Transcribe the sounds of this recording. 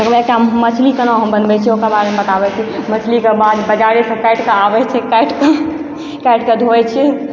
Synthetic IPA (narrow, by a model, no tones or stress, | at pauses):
əɡbekʈamət͡ʃʰlikənaɦəmbənbɛt͡ʃʰiokəbaɾemebət̪abɛt͡ʃʰimət͡ʃʰlikebad̪bəd͡ʒaɾisẽkajʈkeabɛt͡ʃʰɛkajʈke | kajʈked̪ʱot͡ʃʰɛ